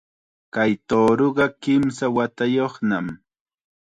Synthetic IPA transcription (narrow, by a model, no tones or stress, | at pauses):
kajt̪oːɾoɢɑkɪmsawat̪ajoχnam